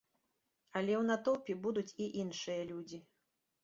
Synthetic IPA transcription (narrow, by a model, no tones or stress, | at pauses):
ɐlʲɛwnat̪ɔwpʲibud̪ut͡sʲiʔinʂɨjɐlʲud͡zʲi